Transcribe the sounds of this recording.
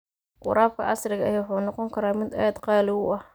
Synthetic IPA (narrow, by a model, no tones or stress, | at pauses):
qʊ̰ɾʔaːb̚kʰɐ̰ʔɐsɾɪɣɐɐjaːħuːnɔqɔŋkʰɐɾaːmɪd̪aːd̪qɑːlɪwʊɐh